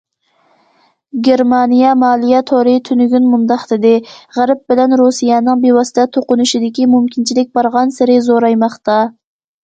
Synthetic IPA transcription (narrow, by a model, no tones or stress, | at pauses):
ɡʲeɾmɑnijɑmɑlˠijɑt̪ʰoɾɪt̪ʰynyɡʲynmʊnd̪ɑχt̪ɪd̪ɪʁæɾɪp̚b̥ɪlɛnɾusijɑnɪŋbewɑsɪd̪ʰɛt̪ʰoqʊnʊʃɪd̪ɪkʲimumkʲʰint͡ʃʰilɪk̚ʲbɑɾʁɑnsɪɾɪzoɾɑjmɑχt̪ɑ